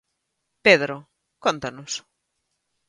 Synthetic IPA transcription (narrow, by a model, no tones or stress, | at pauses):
peðɾo | kont̪ɐnʊs